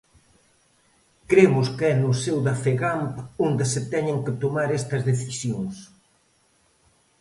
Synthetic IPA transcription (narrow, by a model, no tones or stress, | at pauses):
kɾemʊskɛnʊsewðɐfeɣampond̪ɪsɪt̪ɛɲeŋkɪt̪omaɾɛst̪ɐzðeθisjoŋs